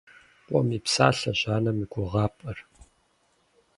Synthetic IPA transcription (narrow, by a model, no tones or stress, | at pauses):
pʷʼɔmipsa̰ːɬɐʑaːnɐmiɡʷʰʊʁɑːpʼɨr